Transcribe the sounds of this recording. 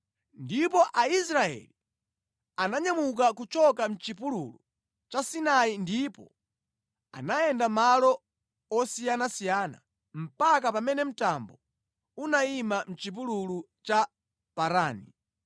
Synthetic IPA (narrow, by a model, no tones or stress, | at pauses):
ndipɔʔaisɾaɛ̰li | anaɲamuk̬akut͡ʃɔkam̩t͡ʃip̬ulṵlu | t͡ʃasinaindipɔ̰ | a̰najɛndamalɔ | ɔsijanasijaːna̰ | m̩pak̬apamɛnɛm̩tambɔ | unaimam̩t͡ʃip̬ululu | t͡ʃa | paɾaːni